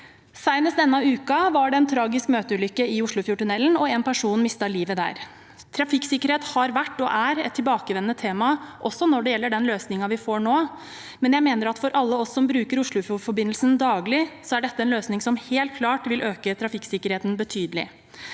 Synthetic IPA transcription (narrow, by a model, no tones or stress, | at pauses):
sæɪməsd̪ɛnːɑʉːkɑʋɑɖɛɛnt̪ʰɾɑːɡɪskmøːt̪əʉːlʏkːəɪʊʂɭʊfjʊːʈʉnɛlːnɔɛnpʰæʂuːnmɪst̪ɑliːʋəd̪æ̰ːɾ | t̪ʰɾɑfɪksɪkːəɾheːt̪hɑɾʋæʈːɔʔæɾɛ̰t̪ʰːɪlbɑːkəʋɛnːət̪ʰeːmɑʔɔsːɔnɔɖɛjɛlːəɖɛnløːsnɪŋɑʋɪfoːɾɳoː | mɛnjæɪmeːnəɾɑt̪fɔɾʔɑlːəɔsːɔmbɾʉːkəɾʊʂɭʊfʊfɔbɪnːl̩sənd̪ɑːɡlɪsɔæɖɛt̪ːəɛnløːsnɪŋsɔmheːlt̪̚kʰlɑːʈʋɪlʔøːkət̪ʰɾɑfɪksɪkəɾheːt̪nbət̪ʰyːd̪əlɪ̰